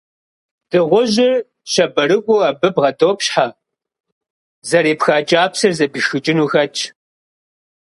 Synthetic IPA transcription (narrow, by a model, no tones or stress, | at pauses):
d̥ɨʁʷʊʑɪr | ɕɐbɐɾɨɡʷʼʊɐbɨbʁɐdoːpɕħaː | zɐɾeːpxaːt͡ʃʼaːpsɨrzɐbɨʃxɨt͡ʃʼɪnuːxɐt͡ʃʰʼ